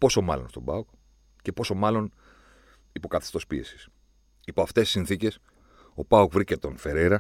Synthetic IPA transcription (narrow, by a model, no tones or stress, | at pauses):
po̞so̞mɐ̰lo̞̰nst̪o̞̰bɐok | ce̞po̞so̞mɐlo̞n | ipo̞kɐθi̥st̪o̞spie̞̰si̥s | ipoɐft̪esi̥sinθice̞s | o̞pɐokvɾice̞t̪o̞nfe̞ɾeɾɐ